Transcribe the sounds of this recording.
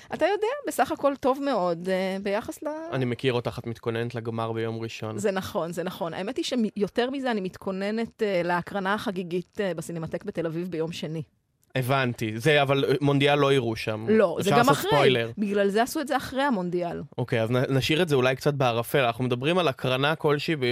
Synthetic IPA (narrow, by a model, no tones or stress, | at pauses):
atajo̞deabe̞saχako̞lto̞vme̞o̞dbejaχasleanimekiʁot̪aχat̪mit̪ko̞nenetleɡmaʁbejo̞mʁiʃo̞nzenaχo̞nzenaχo̞na̰emet̪iʃemijo̞teʁmizeanimit̪kʰo̞ne̞netleakʁanaːχaɡiɡitbasinematekbete̞lavivbe̞jo̞mʃe̞ni | evantizeavalmond̪ialːo̞iʁuʃamːo̞zeɡamaχʁeojleʁbiɡlalzeasuetzeaχʁejhamondialokejaznanaʃiʁetzeulajkt͡sat̚beaʁafeanaχnumed̪abʁimalakʁanako̞lʃiːbe